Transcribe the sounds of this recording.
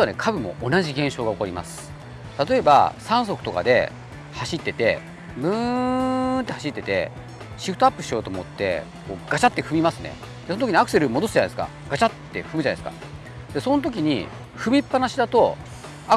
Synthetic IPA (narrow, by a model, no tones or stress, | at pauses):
ioane̞̰kʰabɯ̟mo̞̰ʔonaʑiɡẽ̞ɕo̞ːɡao̞ko̞ɾʲima̰sɨ̥ | t̪at̪o̞e̞ba̰sãɰ̃s̬o̞kɯ̟̥t̪o̞ka̰d̪e̞̰ | haɕit̪ːe̞t̪e̞̰ | mɯ̟ | t̪ːe̞haɕit̪ːe̞t̪e̞̰ | ɕiɸɯ̥t̪oapːɯ̟ɕio̞ːt̪o̞mot̪ːe̞̰ | ko̞ːɡ̥at͡ɕat̪ːe̞ɸɯ̟mʲimasɨne̞̰ | d̪̥esont̪okiɲ̟iakɯ̟̥se̞ɾɯ̟mo̞d̪o̞sɨʑanaesɨ̥ka̰ | ɡ̥at͡ɕat̪ːe̞̰ɸɯmɯ̟ʑanad̪esɨka̰ | d̪̥e̞sõ̞not̪̬o̞k̬ʲiɲ̟ḭ | ɸɯ̟mʲipːanaɕid̪at̪o̞ | a